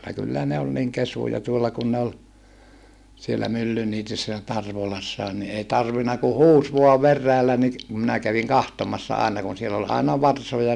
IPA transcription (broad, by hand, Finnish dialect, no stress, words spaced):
kylːæ ne ol niŋ kesujɑ tuolːɑ kun ne ol sielːæ mylːyniːtysːæ jɑ tɑrʋolɑsːɑːn ni ei tɑrʋinɑ ku huːs ʋuɑ ʋerːæːlːæ ni kum minæ kæʋiŋ kɑhtomɑsːɑ ɑˑenɑ kun siel ol ɑinɑ ʋɑrsojɑ